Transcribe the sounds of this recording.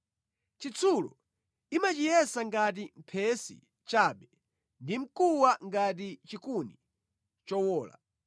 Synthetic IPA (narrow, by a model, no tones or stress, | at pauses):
t͡ʃit͡sʰulɔ̰ | imat͡ʃijɛsaŋɡat̬im̩pʰɛsḭ | t͡ʃaːɓɛ | ndim̩kuwaŋɡat̬it͡ʃikuni | t͡ʃɔwɔːla̰